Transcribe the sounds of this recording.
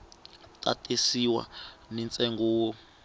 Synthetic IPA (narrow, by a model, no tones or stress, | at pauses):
tʼa̰tʼisiwa̰nɛnt͡sʼɛŋɡuːwɔ